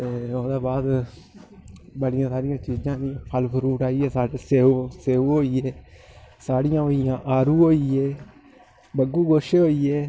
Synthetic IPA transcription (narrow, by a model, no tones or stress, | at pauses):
t̪eːoːd̪aːbaːd̪ | bəɽɪjãːsaːɾɪjãːt͡ʃiːd͡ʒãːnɪãːpʰəlpʰɾuːʈaːiːɛːsaːseːseːuɦoːiːeːsaːɽɪjãːɦoːɪjãːʔaːɾuːɦoːiːeː | bəɡuːɡoːʃeɦoːiːeː